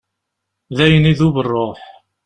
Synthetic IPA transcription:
ðæjəniðuβərˤːoħ

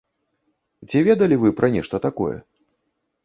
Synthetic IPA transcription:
t͡sʲivʲɛd̪ɐlʲivɨpɾʔɐnʲɛʂt̪ɐt̪akɔ̰jɛ̰

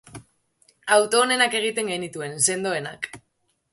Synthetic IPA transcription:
awt̪o̞ːne̞nake̞ɣ̞it̪e̞ŋɡe̞nit̪ue̞nse̞nd̪o̞e̞nak

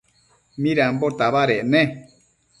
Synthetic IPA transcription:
mĩɾambot̪aβaɾeʔnẽ

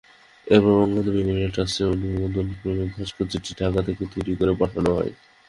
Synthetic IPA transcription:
ebaɾɔŋɡod̪obimieʈaseonuuond̪ʱonpɾomibʱaʃpod͡ʑiʈiɖʱakat̪ʰeket̪ojɾikoɾebaʈʰanoɦɔ̰e

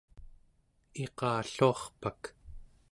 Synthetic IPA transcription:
e̞qɑːɬuɑχpak

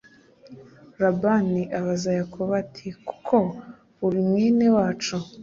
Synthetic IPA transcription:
ɾabaniʔaβazajakʰoβatʰiku̥kʰo̞ | uɾimŋiːne̞waːt͡ʃu

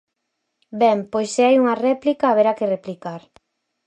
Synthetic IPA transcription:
bɛmpojseajuŋɐrɛplikaːβ̞eɾakereplikaɾ

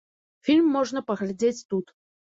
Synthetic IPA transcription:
fʲilʲmːɔʐnɐpɐɣlʲad͡zʲet͡sʲt̪ut̪

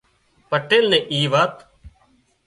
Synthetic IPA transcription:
pəʈːeːlnẽːʔiːʋaːt̪

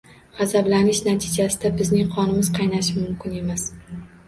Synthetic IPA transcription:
ʁazablanɪʃnat̪ʰɪd͡ʒasɪd̪abɪznɪŋqʰɒnɪmɪz̥qʰɑjnaʃɪmʊmkʲʰɪne̞mas

